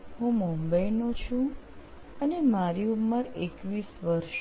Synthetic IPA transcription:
ɦũmumbəjnot͡ʃʰũ | ənemaɾiumːəɾekʋisʋəɾʃ

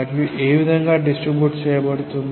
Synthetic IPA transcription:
ɐɾiʔeːʋid̪ʱɐŋɡɐɖisʈribjuːʈt͡ɕejɐpɐɽut̪ːunː

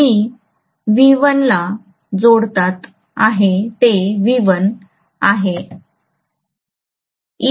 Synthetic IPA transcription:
i | ʋiʋənla | d͡zoɽt̪at̪ | aɦet̪eʋiʋən | aɦe | i

